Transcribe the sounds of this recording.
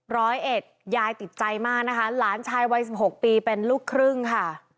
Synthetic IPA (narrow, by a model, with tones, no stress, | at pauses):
ɾɔː˦˥jʔe˨˩t̪̚jaː˧jt̪i˨˩t̪̚t͡ɕa˧jmaː˥˩k̚na˦˥kʰa˦˥laː˩˦nt͡ɕʰaː˧jwa˦˥jsi˨˩p̚ho˨˩k̚piː˧pe˧nluː˥˩kʰːɾɯ˥˩ŋkʰa˥˩